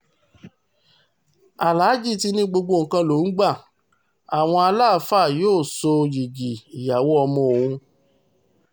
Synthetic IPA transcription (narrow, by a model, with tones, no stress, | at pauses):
a˨la˨˦d͡ʒi˦˨ti˧nĩ˦ɡ͡bo˧ɡ͡bo˧˨ŋ̩˨kã˧lo˨˦n̩˦ɡ͡ba˦˨ | a˨w̃ɔ̃˧a˧laː˦˨˦fa˦˨joː˦˨so˧ji˨d͡ʒi˨i˨ja˨wɔ˦ɔ˧mɔ̃˧o˨˧hũ˧